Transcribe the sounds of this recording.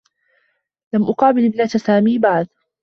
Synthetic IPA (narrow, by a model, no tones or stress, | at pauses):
lamʔʊqɑːbɪlɪbnat̪saːmiːbaʕd̪